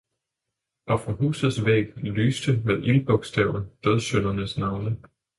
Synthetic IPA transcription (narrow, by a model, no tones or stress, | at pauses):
ɒ̽fʁɑ̈ɦṵːsð̩ˠsʋḛːɡ̥lyːsd̥əmeðˠʔilb̥ɔ̽ɡ̥sd̥ɛʊn̩d̥øð̞ˠsønɐnəsnɑ̈ʊnə